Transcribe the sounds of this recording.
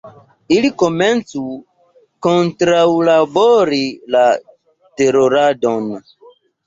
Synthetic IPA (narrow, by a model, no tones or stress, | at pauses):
ilikoment͡su | kontɾawlaboɾila | teɾoɾadon